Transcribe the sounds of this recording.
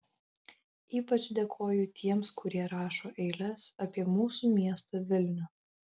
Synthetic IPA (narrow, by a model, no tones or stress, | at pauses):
iːpɐt͡ʃd̪ʲekʰoːjʊt̪ʲʰiɛmskʊɾʲiɛɾɑːʃoːʔɛɪlʲɛsɐpʲiɛmuːsuːmʲiɛst̪ɐʋʲɪlʲnʲʊ